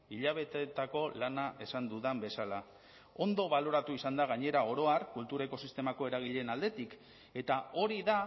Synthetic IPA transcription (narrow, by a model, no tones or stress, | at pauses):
iʎaβ̞e̞t̪et̪ako̞lanaʔe̞sand̪uðambe̞sala | o̞nd̪o̞βalo̞ɾat̪uisand̪aɣaɲe̞ɾao̞ɾo̞aɾkult̪uɾeko̞sist̪e̞mako̞e̞ɾaɣ̞iʎe̞nald̪e̞t̪ik | e̞t̪ao̞ɾiða